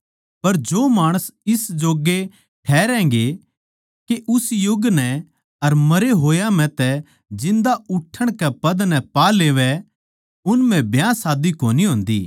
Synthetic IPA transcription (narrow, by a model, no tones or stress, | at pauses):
pɐɾd͡ʒoːmaːɽ̃əsɪsd͡ʒoːɡe | ʈʰɛːɾɛ̃ːŋɡe | keʔʊsjʊɡnɛ | ɐɾmɐɾeɦoːjamɛ̃t̪ɛ | d͡ʒɪ̃nd̪aʔʊʈʰːəɽ̃kɛpɐd̪nɛpaːleːʋɛ | ʊnm̤ɛ̃bʱjãːsaːd̪ikoːniɦʊ̃ːnd̪ḭː